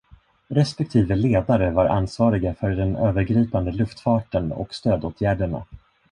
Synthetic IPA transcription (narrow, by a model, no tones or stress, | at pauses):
ɾɛspɛk̚t̪ʰiːvəleːd̪aɾəvaɾʔa̰nsvɑːɾɪɡafœɖɛnøːvəɾɡɾiːpand̪əlɵft̪fɑːʈənɔ̰kst̪øːd̪oːt̪ʰjæːɖəɳa̰